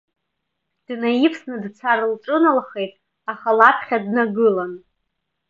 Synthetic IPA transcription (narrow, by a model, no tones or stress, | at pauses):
d̥najɪpʰsnɨdt͡sʷʰaɾɨlʈ͡ʂʼɨnalχe̞jtʼ | aχalapʰχʲadnaɡɨlan